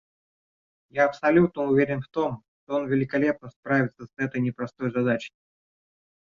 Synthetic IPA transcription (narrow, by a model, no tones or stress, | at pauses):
jaɐpsɐlʲut̪nəʊvʲeɾʲɪnft̪o̞mʂt̪oo̞nvʲɪlʲɪkɐlʲep̚nəspɾavʲɪt̪səsɛt̪əjnʲɪpɾɐst̪o̞jzɐd̪at͡ɕɪ̥